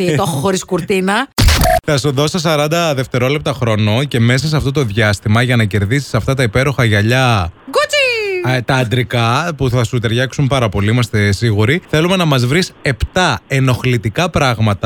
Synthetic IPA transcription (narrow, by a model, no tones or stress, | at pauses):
it̪oxoxoɾiskuɾt̪inɐθɐsuðo̞sɐsɐɾɐnd̪ɐðe̞ft̪e̞ɾo̞le̞p̚t̪ɐxɾo̞no̞ce̞me̞s̬ɐseɐft̪o̞t̪o̞ðʝɐst̪imɐʝɐnɐce̞ɾðisi̥sɐft̪ɐt̪ɐipe̞ɾo̞xɐʝɐʎɐɡut͡sit̪ɐːnd̪ɾikɐpuθɐsut̪e̞ɾʝɐksumpɐɾɐpo̞liimɐst̪e̞siɣuɾiθe̞lume̞nɐmɐzvɾise̞pt̪ɐe̞no̞xlit̪ikɐpɾɐɣmɐt̪ɐ